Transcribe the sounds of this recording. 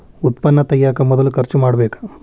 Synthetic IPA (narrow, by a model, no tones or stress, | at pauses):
ut̪pɐnːɐt̪ɐjaːkɐmɔd̪ɐlukɐɾt͡ʃumaːɽɐbɛːkɐ̥